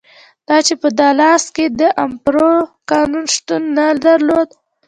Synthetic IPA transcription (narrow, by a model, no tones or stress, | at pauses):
d̪̥ɑt͡ʃepəd̪ɑlɑsked̪əʔampɾokɑnunʃt̪unːad̪aɾlod̪